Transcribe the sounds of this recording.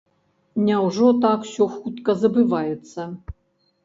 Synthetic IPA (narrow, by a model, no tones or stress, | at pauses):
nʲɛwʐɔt̪aksʲɔxut̪kɐzɐbɨvajɛt̪sːɐ